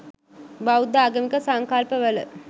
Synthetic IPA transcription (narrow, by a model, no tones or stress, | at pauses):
bawd̪aːɡəmikəsaŋkalpəʋələ